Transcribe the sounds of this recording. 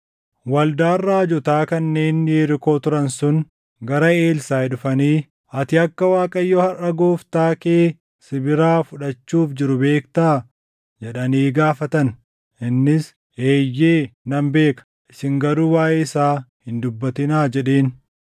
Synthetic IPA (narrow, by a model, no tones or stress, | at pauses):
wɐld̪aːrːaːd͡ʒɔt̪aːkɐnːe̞ːnjeːɾɪko̞ːt̪ʊɾɐnsʊn | ɡɐɾɐe̞ːlsaːɛɗʊfɐniː | ɐt̪ɪɐkːɐwaːkʼɐjːɔːhɐʔɐɡoːft̪aːkeː | sɪbɪɾaːfʊᶑɐt͡ʃːuːfd͡ʒɪɾʊbe̞ːkt̪aː | d͡ʒɛᶑɐniːɡaːfɐt̪ɐn | ʔɪnːɪs | eːjːe̞ːnɐmbe̞ːkɐ̥ʔɪsɪŋɡɐɾuːwaːʔeːɪsaːhɪnd̪ʊbːɐt̪ɪnaːd͡ʒɛᶑe̞ːn